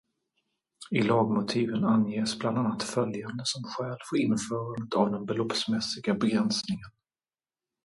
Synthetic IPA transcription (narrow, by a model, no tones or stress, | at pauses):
ɪlɑːɡmʊt̪ʰiːvənanjeːsbland̪anːat̪fœljand̪əsɔmɧɛːlfəɾɪnfœːɾand̪ət̪ʰavd̪ɛnbɛlɔpsmɛsɪɡabɛɡɾɛnsnɪŋən